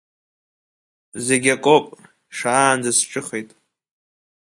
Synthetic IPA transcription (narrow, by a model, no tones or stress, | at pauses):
ze̞ɡʲakʷʼopʼ | ʂaːnd͡zasʈ͡ʂʼɨχejtʼ